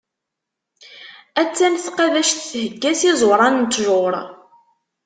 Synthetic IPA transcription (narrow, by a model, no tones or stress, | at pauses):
æt͡sːænθqɑðæʃθθhəɡːæsizˤoɾˤɑnnt̪ʒʊɾˤ